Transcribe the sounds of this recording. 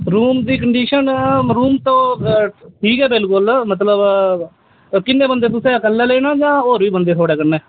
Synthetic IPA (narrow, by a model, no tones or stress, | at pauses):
ɾuːmd̪iːkəɳɖiːʃənɾuːmt̪õː | ʈʰiːkɛːbɪlkʊlmət̪ləb | kɪnːẽːbənd̪eːt̪ʊseːəkəlːɛːleːñãːd͡ʒãːoːɾʋiːbənd̪eːt̪ʰoːɽeːkənːeː